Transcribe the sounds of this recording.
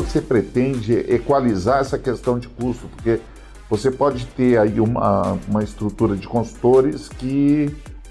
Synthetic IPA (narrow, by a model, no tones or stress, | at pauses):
sepɾet̪ẽnd͡ʒɪekwalizaɾɛsɐkest̪ɐ̃w̃d͡ʒɪkust̪ʊ̥poɾke | vosepɔd͡ʒɪt̪eɾaiũmɐ̰ũmɐɪst̪ɾut̪uɾɐd͡ʒɪkõsu̥t̪oɾɪskɪ